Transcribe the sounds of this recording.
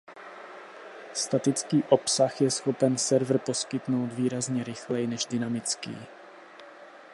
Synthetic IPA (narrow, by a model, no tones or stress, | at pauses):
st̪at̪ɪt͡skiːʔo̞psaxjɛsxo̞pɛnsɛɾvr̩po̞skɪt̪no̞wd̪viːɾazɲɛɾɪxlɛjnɛʒdɪnamɪt͡skḭː